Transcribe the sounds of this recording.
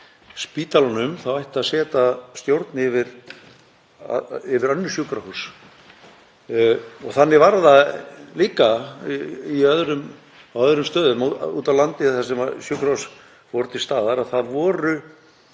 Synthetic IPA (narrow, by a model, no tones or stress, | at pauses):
spiːt̪alɔnʏmθawajht̪aðsɛːt̪ast̪jowɾt̪nɪɪvɪɾ | ɪvɪɾœnːʏsjukɾahus | ɔɣθanːɪvaɾðaliːka | iœðɾʏm | awœðɾʏmst̪œːðʏmuːt̪avlant̪ɪθasɛmasjʏkɾahus | fɔɾt̪ʰɪlst̪aːðaɾaðθaðvɔːɾʏ